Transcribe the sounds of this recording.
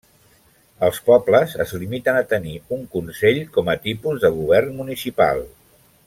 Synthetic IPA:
əlˠspɔbləzə̰zlimit̪ənət̪əniuŋkunsɛʎkɔmət̪ipuzðəɣ̞uβ̞ɛrnmunisipa̰lˠ

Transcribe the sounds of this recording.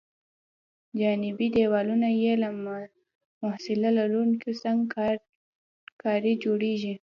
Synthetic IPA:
d͡ʒɑnɪbid̪ewɑlunajelam | mʊhsɪlalaɾunkesaŋɡ | kɑɾid͡ʒoɽeʒi

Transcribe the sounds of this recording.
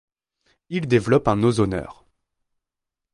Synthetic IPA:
ild̪evlɔpɛ̃nozɔnœ̰ːʁ

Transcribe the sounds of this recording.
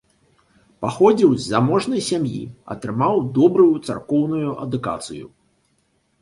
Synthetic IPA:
paxɔd͡zʲiwzʲːamɔʐnɐjsʲamjḭɐ̰t̪ɾɨmawd̪ɔbɾujut̪sa̰rkɔwnujuʔɐ̰d̪uka̰t̪sɨjṵ

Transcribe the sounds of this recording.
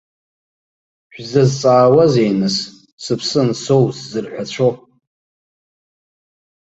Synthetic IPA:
ħʷᶣzɐzt͡sʼaːwazejnɨs | sɨpʰsɨnsowszɨrħʷᶣat͡ɕʷʰo

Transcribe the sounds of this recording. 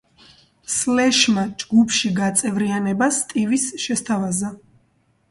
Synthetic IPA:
slɛʃmad͡ʒɡupʰʃiɡat̪sʼɛvɾianɛbast̪ʼivisʃɛst̪ʰavaza

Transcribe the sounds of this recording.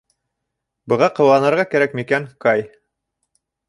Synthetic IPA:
bɤ̆ʁɑqɤ̆wɑnɤ̆ɾʁɑkæɾækmikæŋkɑj

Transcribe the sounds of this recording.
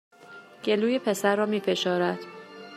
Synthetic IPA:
ɟ̥eluːjepʰe̞sæɾːɒːmiːfe̞ʃɒːɾæd̪̥

